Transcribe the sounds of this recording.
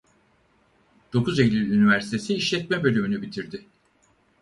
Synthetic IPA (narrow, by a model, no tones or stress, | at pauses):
d̪̥o̞kʰuzelʲilʲynivæɾsi̥t̪ʰe̞siːʃlʲɛt̪̚mɛbø̞lʲymynybit̪ʰiɾd̪ɪ